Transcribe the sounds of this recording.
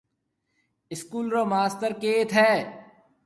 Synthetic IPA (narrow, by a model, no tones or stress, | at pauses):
ɪskuːlɾoːmaːst̪əɾkeːt̪ɦɛː